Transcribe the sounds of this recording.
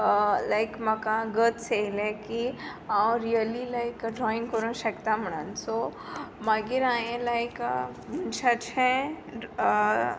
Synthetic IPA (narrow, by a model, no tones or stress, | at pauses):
laɪkmɐkãɡət̪selẽki | ãwɾiəlilaɪkd͡ʒɔɪnkəɾõʃɐkt̪ãməɳa̰nsoːmaɡiɾaːjẽlaɪkbunt͡ʃat͡ʃʰɛ̃